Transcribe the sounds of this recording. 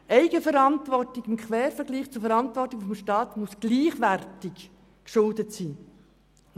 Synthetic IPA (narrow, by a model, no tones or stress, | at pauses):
ʔɛɪɡəfəɾɑntvʋɔrtɪɡɪmkχʰʋɛːɾfəɾɡliːχt͡sufɛɾɑntvɔrtːiɡfɔmʃtɑːtmusɡ̥liːχʋæɾtɪk | kʃʊldətsiː